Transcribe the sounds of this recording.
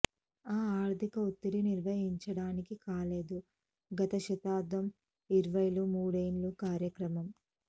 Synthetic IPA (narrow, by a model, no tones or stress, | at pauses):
aːaːɾd̪ʱikɐut̪ːiɾiniɾʋɐɦiɲt͡ʃɐɽaːnikikaːle̞ːd̪u | ɡɐt̪ɐʃɐt̪aːd̪ʋɐm | iɾʋɐjlumuːɽɐjnlukaːɾjɐkɾɐmɐm